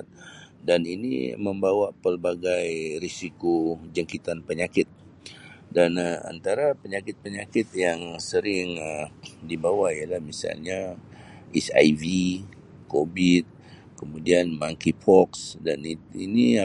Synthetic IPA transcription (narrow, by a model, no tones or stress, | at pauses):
t̪̚daninḭməmbawaʔpərbaɡajɾisikod͡ʒaŋkit̪anpəɲakɪt̪̚ | dana̰nt̪aɾapəɲakɪt̪̚pəɲakɪt̪̚jaŋsəɾɪŋədibawaijalahmisa̰lɲa | ɛsa̰jvi | kobit̪̚ | kəmudianmaŋkipʰɔksdaniḭni